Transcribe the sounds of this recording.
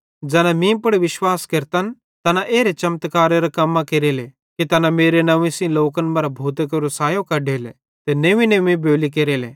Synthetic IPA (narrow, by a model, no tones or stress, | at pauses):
d͡ʒɛːnamĩpʊɽiʋɪʃwaːskɐɾt̪ən | t̪ɐnãʔeːɾet͡ʃɐmt̪kaːɾeɾɐkɐmːãkeɾele | kit̪ɐnameːɾenɐʋĩsĩloːkənmɐɾabʱuːt̪ekɐɾʊsaːjõkɐɖʱeːle | t̪eneːʋĩneʋĩboːlikeːɾeːleː